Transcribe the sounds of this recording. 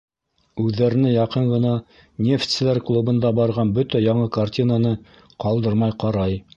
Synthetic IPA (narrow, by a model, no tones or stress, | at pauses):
ʉðːæɾɘ̆nɘjɑqɤɴʁɤ̆nɑ | nʲeft̪sɘ̆læɾklˠubɤ̆nd̪ɑbɑɾʁɑnbɵt̪æjɑɴɤkartʲinanɤ | qɑlˠd̪ɤɾmɑjqɑɾɑj